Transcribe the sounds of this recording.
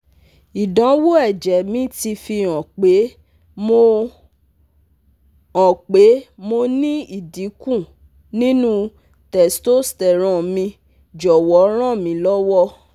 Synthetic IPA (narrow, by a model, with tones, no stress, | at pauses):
i˨dã˨˦wo˦ɛ˦˨d͡ʒɛ˨mĩ˦ti˧fi˧ɔ̃˨k͡pe˨˦ | mo˧ | ɔ̃˨k͡pe˨˦mo˧nĩ˦i˦˨di˨˦kũ˦˨ | nĩ˦nũ˦ | tɛ˨sto˦stɛ˨ɾ̃ã˦˨mĩ˧ | d͡ʒɔ˨wɔ˨˦ɾ̃ã˦˨mĩ˧lɔ˦wɔ˦